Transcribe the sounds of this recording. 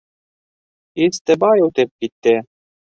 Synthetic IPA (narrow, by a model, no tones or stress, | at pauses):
ist̪ɘ̆bɑjut̪ɘp̚kit̪ːɘ